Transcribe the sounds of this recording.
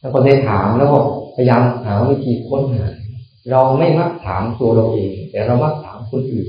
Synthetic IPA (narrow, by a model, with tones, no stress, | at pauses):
a˥˩kʰo˧˩nda˧jt̪ʰaː˩˦mlɛː˦˥wkɔː˥˩pʰa˧jaː˧nhaː˩˦wi˦˧˩t̪ʰiː˧kʰo˧˥nɦaː˩˦ | ɾa˧wma˥˩jma˦˥˩k̚t̪ʰaː˩˦mt̪u˧ɐɾa˧wʔeː˧ŋt̪ɛː˨˩ɾa˧wma˦˥˩k̚t̪ʰaː˩˦mkʰo˧nʔɯː˨˩n